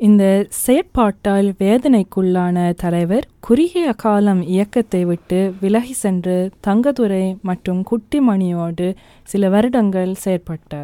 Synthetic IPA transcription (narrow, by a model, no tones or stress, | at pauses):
ɪnd̪ɐsɛjɐpaːʈːaːlʋeːðɐnɐɪkːɯɭːaːnɐt̪ɐlɐɪʋɐɾkʊɾɪjɐɐkaːlɐmɪjɐkːɐt̪ːɐɪʋɪʈːɯʋɪlɐɣisɛndrɯt̪ɐŋɡɐðɯɾɐɪmɐʈrɯmkʊʈːɪmɐɳɪjoːɽɯ | sɪlɐʋɐɾɯɽɐŋɡɐɭsɛjɐɾpɐʈːaːɾ